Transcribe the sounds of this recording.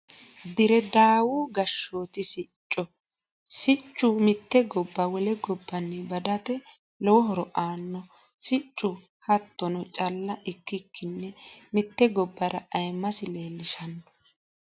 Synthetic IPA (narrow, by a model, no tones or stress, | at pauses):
d̪ɪɾɛd̪aːwuɡɐʃːoːt̪ɪsɪt͡ʃʼːɔ | sɪt͡ʃʼːʊmɪt̪ːɛɡɔbːɐwɔlɛɡɔbːɐnːɛbɐd̪ɐt̪ɛ | lɔwɔɦɔɾɔʔaːnːɔ | sɪt͡ʃʼːʊ | hɐt̪ːɔnɔt͡ʃʼɐlːɐʔɪkːɪkːɪnːɛmɪt̪ːɛɡɔbːɐɾɐʔɐjmːɐsɪle̞ːlːɪʃɐnːɔ̥